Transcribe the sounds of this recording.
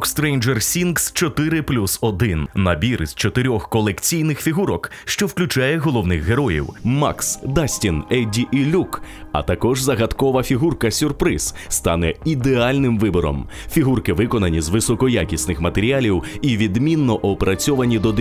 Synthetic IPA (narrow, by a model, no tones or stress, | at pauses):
kst̪ɾɛjnd͡ʒɛrsʲinkst͡ʃɔt̪ɪɾɪplʲusɔd̪ɪnnɐbʲiɾɪzt͡ʃɔt̪ɪɾʲɔxkɔlˠekt͡sʲijnɪxfʲiɦuɾɔk | ʃt͡ʃɔwklʲʉt͡ʃajɛɦɔlˠɔwnɪxɦeɾɔjḭwma̰ksd̪asʲtʲinɛdʲiʔilʲukɐ̰t̪ɐkɔʒzɐɣɐt̪kɔʋɐfʲiɦurkɐsʲʊrpɾɪz̥ | st̪ɑnɛid̪ealʲnɪmʋɪbɔɾɔ̰m | fʲiɦurkɪʋɪkɔnɐnʲizʋɪsɔkɔjakʲisʲnɪxmɐt̪eɾʲialʲiwiʋʲid̪mʲinːɔʔɔpeɾɐt͡sʲɔʋɐnʲid̪ɔd̪